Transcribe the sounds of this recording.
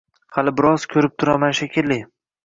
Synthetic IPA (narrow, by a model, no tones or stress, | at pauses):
halɪbɪɾɒzkʲʰɵɾɪp̚t̪ʰʊɾamanʃakʲɪlːɪ